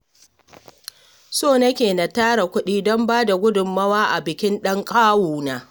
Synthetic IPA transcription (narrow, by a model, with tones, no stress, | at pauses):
soː˦˨nɐ˦kʲeː˨na˨taː˦ɽa˨kʷʊ˦ɗiː˦dɔ˦mbaː˦da˨ɡʷʊ˦dʊ˨mːɐ˦waː˦ʔa˨bɪ˨kʲɪ˦nɗɐ˦ŋkʼaː˦wuː˨naː˦